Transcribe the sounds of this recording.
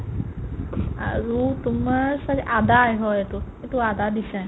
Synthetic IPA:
a̰ɾut̪uməɹsakʔad̪ajɦɔjet̪uet̪uad̪ad̪isɛ̃

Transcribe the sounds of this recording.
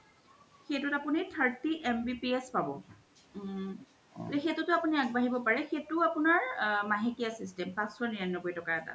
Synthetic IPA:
xejtʊtapunitʰaɹtiʔɛmbipiɛspabɔ̰ | lexetʊtʊapuniaɡ̚baɦibɔpaɹɛxetʊapunaɹmaɦekijasistɛmpãsɔniɹanːɔkojtɔkaɛta̰

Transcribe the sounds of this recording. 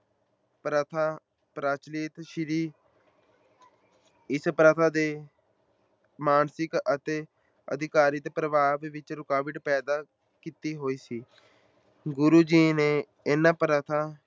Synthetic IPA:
pɾət̪ʰaː | pɾaːt͡ʃlɪːt̪ʃɪɾiː | ɪspɾət̪ʰaːd̪eː | maːnsɪkət̪eː | ə̰d̪ɪkaːɾiːt̪eːpɾəʋaːʋʋɪt͡ʃɾʊkaːʋɪʈpɛːd̪aː | kiːt̪iːɦoːiːsiː | ɡʊɾuːd͡ʒiːneː | enãːpɾət̪ʰaː

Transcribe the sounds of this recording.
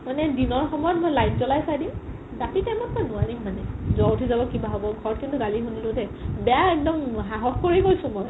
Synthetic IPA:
manɛdinɔɹxɔmɔjɔtmojlajnzɔlajsajdim | ɡatitɛmɔntanʊadimːanɛzɔwtʰizabɔkibaɦobɔɡʱɔɹɔt̚kintʊɡalixunilʊtɛbɛjaɛk̚dɔmɦaɦɔxkoɹekojsʊ̃mɔj

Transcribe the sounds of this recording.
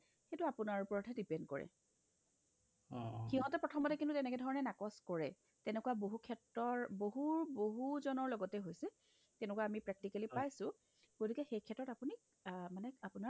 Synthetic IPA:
xetuapunaɹupɔɹɔtʰɛdipɛndkɔ̰ɹɛ̰ | xiɦɔ̃tɛpɹɔtʰɔmɔtɛkintutɛnɛkɛdʱɔɹɔnɛnakɔskɔɹɛ | tɛnɛkuwaboɦukʰɛtɹɔɹboɦuɹboɦuzɔnɔɹlɔɡɔtɛɦojsɛ | tɛnɛkuwaːmipɹɛk̚tikalipajsʊ̃ | ɡotikɛxejkʰɛtːɔtapuni | manɛapuna

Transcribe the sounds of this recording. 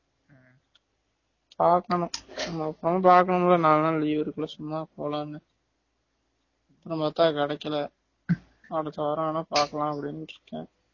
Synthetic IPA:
paːɾkɐɳʊ̃nɐmɐːpːɾɐmpaːɾkɐɳʊmlːɐnaːlnãːliːʋɐɾɯkːɐlɐsʊmːaːkoːlãːnːɯ | ɐpːɾɐ̃mbɐt̪ːãːkɛɽɐkːɐlɐ | ɐɽɐt̪ːɐʋɐɾãːnaːpaːɾkɐlãːɐpːɐɽɪnːɾɯkːḛ̃ː

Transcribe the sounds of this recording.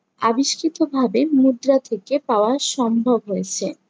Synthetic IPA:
a̰biʃkit̪obʱabemud̪ɾat̪ʰekepaoaʃɔmbʱobɦojet͡ɕʰe

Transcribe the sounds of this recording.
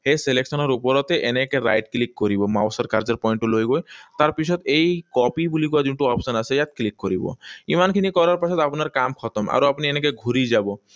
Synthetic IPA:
heseleksɔnɔɾupɔɾɔt̪eʔenekeɾa̰jʈklikːoɾibɔma̰wsɔɾkaɾd͡ʑɔɾpɔjɳʈulojɡojt̪aɾpit͡ʃʰɔt̪ejkɔpibulikoad̪uɳʈuɔpsɔnasʰejat̪klikːoɾibɔ̰imankʰinikɔɾaɾpasʰɔt̪apnaɾkamkʰɔt̪ɔma̰ɾoapnienekeɡʱuɾid͡ʑabɔ

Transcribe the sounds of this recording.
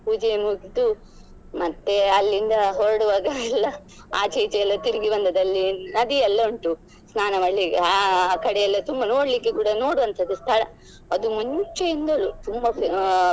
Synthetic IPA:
puːd͡ʒemuːɡit̪u | mɐt̪ːe̞ɐlːind̪ɐɦɔɾɐɽuʋaːɡɐɛlːɐ | a̰ːt͡ʃiːt͡ʃɛjɐlːɐt̪iɾiɡiʋɐnd̪ɐd̪ɐlːinɐd̪iɛlːɐuɳʈu | snaːnɐmɐɭːikakɐɽɛjɐlːɐt̪umbɐno̞ːɽlikːekuːɽɐno̞ːɽuʋɐnt̪ʰɐd̪ːust̪ʰɐɽɐ̰ | ɐd̪umunut͡ʃɐjind̪ɐlut̪umbɐ

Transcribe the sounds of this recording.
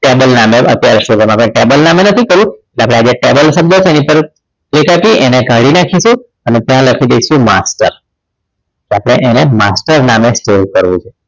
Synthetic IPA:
ʈebəlnameə̰t̪jaɾeʃud͡ʒemapəɽ̃eʈebəlnamenət̪ʰikəɾũeʈleapɽ̃ead͡ʒeʈebəlsəb̚d̪ət͡ʃʰeenipəɾ | klikaʈiʔeneɡʱəɽinakʰiʃũ | ənet̪jãləkʰid̪eiʃũmasʈəɾ | keapɽ̃eʔenemasʈəɾnamesʈoɾkəɾʋṵ̃t͡ʃʰe

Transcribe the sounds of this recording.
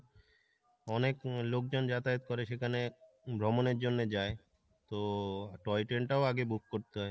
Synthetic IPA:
ɔneklok̚d͡ʑond͡ʑat̪aet̪̚kɔɾeʃekʰane | bʱɾomoneɾd͡ʑonːed͡ʑae | t̪oʈɔjʈeɳʈaoaɡebuk̚koɾt̪eɦɔe

